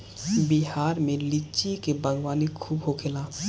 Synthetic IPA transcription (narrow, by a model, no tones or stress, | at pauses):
biɦaːɾmẽlɪt͡ʃikebəɡwaːnikʰuːbɦokʰelaː